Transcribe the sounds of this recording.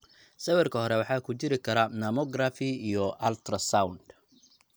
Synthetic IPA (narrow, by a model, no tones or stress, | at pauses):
sɐwɛrkʰɐhɔɾɛwɑħɑːkʰʊt͡ʃɪɾɪkʰɐɾɐnɐmɔɡrafɪijɔʔɐlt̪ʰrɐsawnd̪